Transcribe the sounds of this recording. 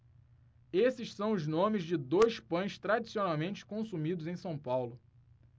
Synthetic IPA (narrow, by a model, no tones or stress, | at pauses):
esɪʃsɐ̃w̃ʊznõmɪzd͡ʒɪd̪ojspɐ̃j̃st̪ɾad͡ʒisionawmẽnt͡ʃɪ̥kõsumid̪ʊzẽj̃sɐ̃w̃pawlʊ